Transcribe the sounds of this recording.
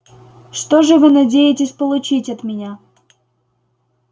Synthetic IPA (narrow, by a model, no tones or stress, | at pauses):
ʂt̪oʐɨvɨnɐdʲejɪtʲɪsʲpəlˠʊt͡ɕitʲɐt̪mʲɪnʲa